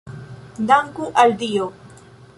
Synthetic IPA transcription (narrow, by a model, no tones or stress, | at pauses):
d̪aŋkuʔald̪ijo